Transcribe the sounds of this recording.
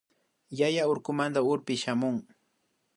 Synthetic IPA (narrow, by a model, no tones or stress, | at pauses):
jajaʊɾkʊmand̪aʊɾpɪʃamʊŋ